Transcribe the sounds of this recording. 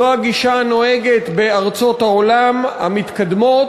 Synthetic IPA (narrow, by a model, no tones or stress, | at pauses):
oaɡiʃano̞eɡet̪be̞aʁt͡so̞t̪haolama̰mit̪kad̪mo̞